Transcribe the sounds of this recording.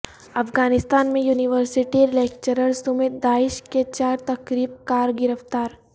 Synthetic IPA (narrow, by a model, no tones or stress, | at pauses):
ɐfɡaːnɪst̪aːnmẽjuːnɪʋəɾsɪʈiɾɪlɛːk̚t͡ʃəɾəlsʊmeːd̪̚d̪aːɪʃket͡ʃaːɾt̪ɐkɾiːb̚kaːɾɡɪɾəft̪aːɾ